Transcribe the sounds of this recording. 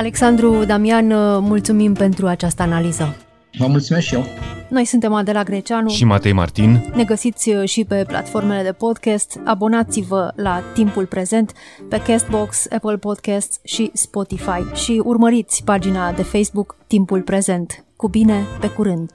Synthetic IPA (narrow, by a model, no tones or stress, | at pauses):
ale̞ksand̪ɾud̪amianmult̪sumimpe̞nt̪ɾuat͡ʃast̪əanalizə | vəmult̪sumesʃijeno̞jsunt̪e̞mad̪e̞laɡɾe̞t͡ʃanuʃimat̪ejma̰rt̪inne̞ɡəsit̪sʲʃipe̞pla̰t̪fo̞rme̞le̞d̪e̞po̞d̪kʲast̪a̰bo̞nat̪sivəlat̪impulpɾe̞ze̞nt̪pe̞kest̪̚bo̞ksepəlpo̞d̪kast̪ʃispo̞t̪ifajʃiurməɾit̪sʲpad͡ʒinad̪e̞fejsbukt̪impulpɾe̞ze̞nt̪kubine̞pe̞kuɾɨnd̪